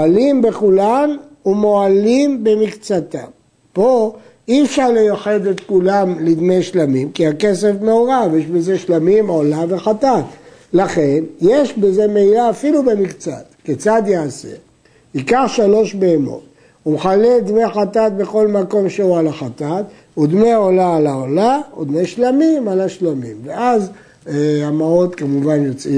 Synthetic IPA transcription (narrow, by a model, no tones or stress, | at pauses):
oalimbe̞χulanumo̞alimbe̞mikt͡sat̪a̰m | po̞ | iefʃaʁlejoħed̪et̪kulamlid̪meʃlamimkiake̞sefneoʁavjeʃbeze̞ʃlamimaolaveχat̪at̪laχe̞nje̞ʃbeze̞meilaːfilube̞mikt͡sa̰t̪ket͡sad̪jaase̞̰ | hikaχʃalo̞ʃbeːmo̞̰t̪̚ | umχaleld̪meχat̪at̪̚be̞xo̞lmako̞mʃeualaχat̪at̪ | ud̪meaolaːlaolaud̪meʃlamimalaʃlamimveaz | eamao̞t̪kamuvanjot͡si